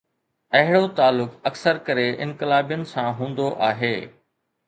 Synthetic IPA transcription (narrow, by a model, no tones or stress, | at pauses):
ɐɦɪɽot̪aːlːʊkɐksəɾkɐɾeɪ̰̃nkɪlaːbijənɪ̆sãɦũːnd̪oʔaːɦeː